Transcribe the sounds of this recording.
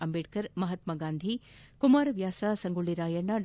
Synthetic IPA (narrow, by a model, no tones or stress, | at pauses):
ɐmbeːʈ̚kɐɾmɐɦɐt̪mɐɡaːnd̪ʱikumaːɾɐʋjaːsɐsɐŋɡuɭːiɾaːjɐɳːɐɖ